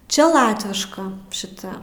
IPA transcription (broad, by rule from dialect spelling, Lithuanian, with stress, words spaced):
ˈt͡ʃʲɛ ˈlˠɑːtʲʋʲɪʃkɐ ʃʲɪˈtɐ